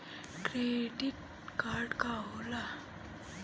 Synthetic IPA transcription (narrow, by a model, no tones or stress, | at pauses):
kɾeɖiʈ̚ | kaːɾɖkaɦola